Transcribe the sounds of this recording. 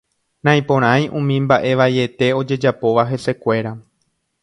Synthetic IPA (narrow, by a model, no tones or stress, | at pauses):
nãj̃põ̞ɾ̃ãj̃ʔũmĩmbaʔe̞ʋaje̞t̪e̞o̞d͡ʒe̞d͡ʒapo̞ʋaɦe̞se̞kʷe̞ɾa